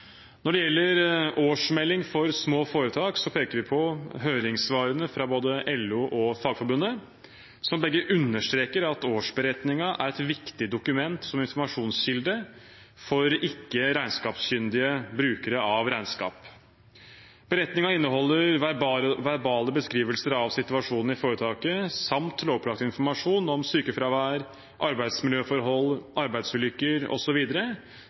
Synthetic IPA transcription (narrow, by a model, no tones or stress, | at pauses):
nɔɖɛjɛlːəɾoːʂmɛlːɪŋfɔɾsmoːfoːɾət̪ʰɑːksɔpʰeːkəɾʋɪpʰɔɦøːɾɪŋsʋɑːɾənəfɾɑboːd̪əʔɛlʉːʔɔfɑːɡfɔɾbʉnːə | sɔmbɛɡːəʔʉnːəʂt̪ɾeːkəɾɑt̪oːʂbəɾɛt̪nɪŋɑʔæ̰ɾɛt̪ʋɪkt̪ɪd̪ʊkʉmɛnt̪sɔmɪnfɔɾmɑʂuːnsɕɪld̪ə | fɔɾɪkːəɾæɪnskɑːpsɕʏnd̪ɪəbɾʉːkəɾəɑʋɾæɪnskɑ̰ːp | b̥əɾɛt̪nɪŋɑɪnːəɦɔlːəɾʋɾʋæɾbɑːləbəskɾiːʋəlsəɾɑʋsɪt̪ʉɑʂuːnn̩ɪfoːɾət̪ʰɑːkəsɑmt̪loːpʰlɑkt̪əɪnfɔɾmɑʂuːnɔmsyːkəfɾɑʋæːɾ | ʔɑɾbæɪd̪smɪljøːfɔɾɦɔlːʔɑɾbæɪd̪sʉːlʏkːəɾɔ̰sɔʋiːd̪əɾə